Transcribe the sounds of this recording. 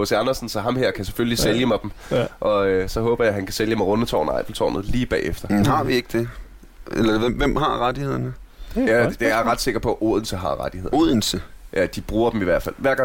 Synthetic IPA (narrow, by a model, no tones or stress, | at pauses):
hoseɑnɐsn̩sɒɦɑ̈mheɐ̰kʰæse̥føləliseljəmɑ̈ɪd̥m̩ʔɒ̽øsɒ̽ɦɔ̽ːb̥ɐjɑhænkʰæseljəmɑ̈ɪʁɔ̽nət͡sʰɒ̰ːnɑ̈ɪb̥l̩t͡sʰɒ̰ːnəð̩ˠliːb̥ɛ̰ːefd̥ɐhɑ̈ʋie̝ɡ̥əd̥e̝ | elɐʋemʋem̰hɑ̈ʁad̥ihe̝ð̰ˠɐnəjæd̥eɐʁɑ̈d̥se̝ɡ̥ɐpʰɒ̽ʔo̝ːð̞̰ˠn̩səɦɑ̈ʁɑd̥ihe̝ð̰ˠo̝ðˠn̩səjæd̥ib̥ʁuːɐd̥emiʋæɐ̰̥fæl̰ʋæɐɡ̥ɑ̈